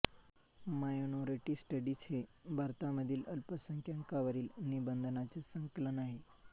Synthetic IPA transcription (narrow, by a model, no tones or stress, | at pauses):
majonoɾiʈiːsʈəɖit͡sʰebʱaɾt̪aməd̪ʱiːləlpəsəŋkʰjaŋkaʋəɾiːlnibənd̪ʱənat͡sesəŋkələnaɦe